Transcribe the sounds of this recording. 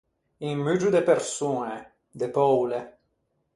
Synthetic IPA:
iŋmyd͡ʒud̪epeɾsune | d̪epɔwle

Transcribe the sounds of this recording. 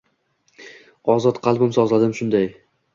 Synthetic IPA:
ɒzɒt̪qʰɑlˠbɪmsɒzlad̪ɪmʃʊnd̪aj

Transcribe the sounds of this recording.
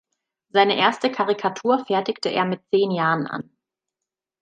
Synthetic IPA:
zaɪnəʔeːɐstəkʰaʁikʰatʰuːɐfɛɐtɪktəʔḛːɐmɪt̚t͡seːnjaːʁənʔa̰n

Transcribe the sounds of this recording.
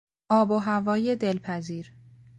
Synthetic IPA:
ʔɒːboɦævɒːjed̪e̞lpʰæziːɾ

